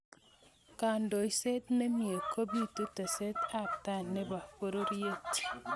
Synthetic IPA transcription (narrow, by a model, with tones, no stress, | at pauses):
ka˨ndo˨jse˦t̪ne˦mie˨kʰo˦bi˦to˦ta˨se˦ta˦˨p̚ta˦˨nːe˦ba˨po˦ɾo˦ɾje˦t